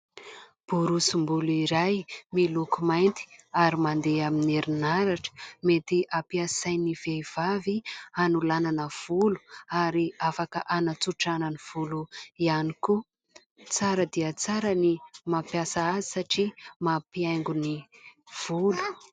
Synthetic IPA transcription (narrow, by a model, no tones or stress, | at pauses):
b̥uɾusumbuluiɾajmilukumajnt̪i̥aɾimand̪eamineɾinaɾaʈ͡ʂə̥met̪iʔapiasajniv̥ejv̥avianulananəv̥ulu̥aɾiafakə̰ʔanat͡suʈ͡ʂananiv̥uluianiku | t͡saɾəd̪iət͡saɾənimapjasaazisaʈ͡ʂimapiajŋɡuniv̥ulu̥